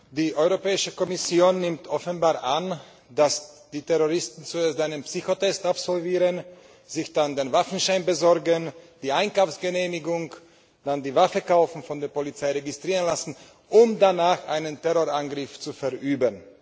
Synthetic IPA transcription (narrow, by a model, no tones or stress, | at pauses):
d̥iːʔɔʏʁopɛːɪʃəkɔmɪsjoːnːɪmtʔɔfənbaːɐʁʔan | d̥asd̥iːtʰɛʁoʁɪstn̩t͡sueɐstʔaɪnənpsyːçotɛstapz̥ɔlviːʁən | zɪçd̥andeːnvafn̩ʃaɪnbəzɔɐɡənd̥iːʔaɪnkaʊfsɡ̥əneːmɪɡʊŋ | d̥andiːvafəkaʊfn̩fɔndeːɐpolit͡saɪʁeɡɪstʁ̥iːʁənlasn̩ | ʔʊmdanaːxʔa̰ɪnəntɛʁoʁanɡʁɪft͡sufɛɐʔyːbən